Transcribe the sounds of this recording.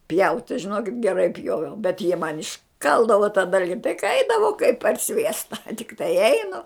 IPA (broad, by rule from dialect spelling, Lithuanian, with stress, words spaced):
pʲjɛʊtʲ tɐɪ ʒʲɪˈnoːkʲɪt ɡʲɛˈrɐɪ ˈpʲjoːʋʲɛʊ bʲɛt jiɛ mɐn ɪʃˈkɐlˠdɐʋoː tɐ ˈdɐlʲɡʲɪ tɐɪ kɐ ˈɐɪdɐʋɐʊ kɐɪp pɐr ˈsʲʋʲiɛstɐ tʲɪkˈtɐɪ ˈɛɪnʊ